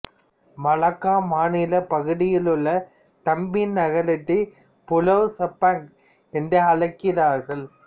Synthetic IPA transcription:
mɐlɐkːaːmaːnɪlɐpɐɣɯɽɪjɪlɯɭːɐ | t̪ɐmbinnɐɣɐɭɪʈːɐ | pʊlɐʋsɐpːaːŋk | ɛndɐɐlɐɪkːɪɾaːɾɣɐɭ

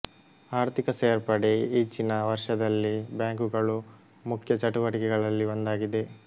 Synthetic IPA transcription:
aːɾt̪ikɐseːɐɾpɐɽe̞iːt͡ʃːinɐʋɐɾʂɐd̪ɐlːibjaːŋkuɡɐɭu | mukʰjɐt͡ʃɐʈuʋɐʈikɛɡɐɭɐlːiʋond̪aːɡid̪e̞

